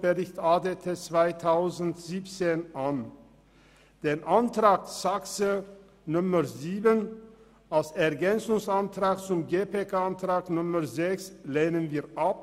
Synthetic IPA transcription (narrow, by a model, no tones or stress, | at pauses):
b̥əʁɪçtaɐdətʰət͡sv̥aɪtʰaʊzn̩tz̥iːp̚t͡seːnʔan | d̥eːnʔantʁ̥aːk̚t͡saksə | nʊməziːbən | ʔalsɛɐɡɛnt͡sʊŋsantʁ̥aːkt͡sʊmɡeːpeːkaantʁ̥aːknʊməzɛksleːnənviːɐʔap̚